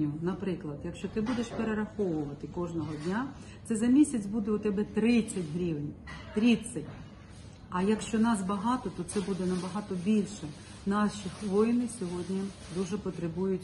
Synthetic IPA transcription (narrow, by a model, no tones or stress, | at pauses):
ʊnɐpɾɪklˠɐd̪jɐkʃt͡ʃɔt̪ɪbud̪eʃpeɾeɾɐxɔʋʊʋɐt̪ɪkɔʒnɔɦɔdʲnʲa | t̪sɛzɐmʲisʲɐt͡sʲbud̪ɛʊt̪ɛbɛt̪ɾɪt͡sʲːɐtʲɦɾʲiʋnʲt̪ɾʲisʲɐtʲ | ɐjɐkʃt͡ʃɔnɑsbɐɦɑt̪ɔt̪ɔt̪sɛbud̪ɛnɐbɐɦɑt̪ɔbʲilʲʃɛ | nɑʃʲixʋɔjnɪsʲɔɦɔdʲnʲi | d̪uʒɛpɔt̪ɾebujʊtʲ